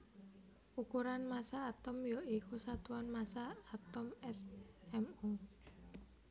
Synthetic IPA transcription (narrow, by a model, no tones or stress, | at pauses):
ukuɾanmasaːt̪ɔmjɔikusat̪uanmasaːt̪ɔmɛsɛmu